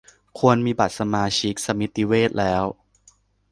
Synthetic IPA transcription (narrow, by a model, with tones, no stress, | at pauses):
kʰu˧ənmiː˧ba˨˩t̪̚sa˧maː˧t͡ɕʰi˦˥k̚sa˧mi˦˥t̪ːi˦weː˥˩t̪̚lɛː˦˥w